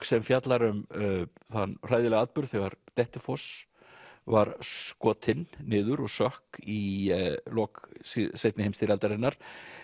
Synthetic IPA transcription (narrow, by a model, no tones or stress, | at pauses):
sɛmfjat̪laɾʏmθanr̥aːjðɪlɛɣaːt̪̚pʏɾð̥θɛɣaɾt̪ɛht̪ɪfɔs | vaɾkɔːt̪ʰɪnːɪːðʏɾɔɣsœhki | lɔːkssejt̪nɪhejmst̪iɾalt̪aɾɪnːaɾ̥